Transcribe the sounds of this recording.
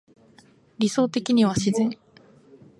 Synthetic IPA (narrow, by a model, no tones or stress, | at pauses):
ɾʲiso̞ːt̪e̞kʲiɲ̟iβ̞aɕizẽ̞ŋ